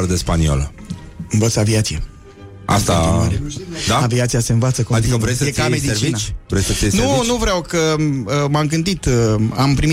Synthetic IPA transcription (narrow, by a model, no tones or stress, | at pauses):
ɾd̪espanio̰l | ɨnvət̪səaviat̪sije | ʔa̰st̪aaɾed̪aaviat̪sijaseɨnvat̪səkoad̪ikəvɾesekamed̪ieɾt͡ʃinat͡ʃvɾesʲsəsenunuvɾeawkəmamɡɨnt̪it̪ampɾimi